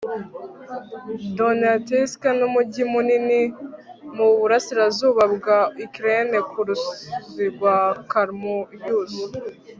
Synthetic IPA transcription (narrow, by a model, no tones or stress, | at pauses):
donatiskanumuɟimunini | muβuɾasiɾazuːβabɡaikɾenekʰuɾuziɡwakaɾmoibjuːzi